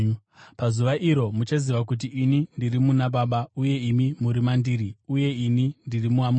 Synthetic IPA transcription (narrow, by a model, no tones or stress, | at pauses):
pazuʋaʔiɾo̞mut͡ʃaziʋakut̬iʔːnindirimunaɓaɓauje̞imimuɾimandiːɾiuje̞inindirimuamu